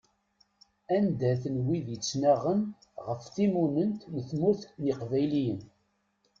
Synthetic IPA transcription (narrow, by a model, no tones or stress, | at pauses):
ænd̪æθənwiðjət͡sːnaʁən | ʁəfθimunənt̪nəθmuθniqvæjlijən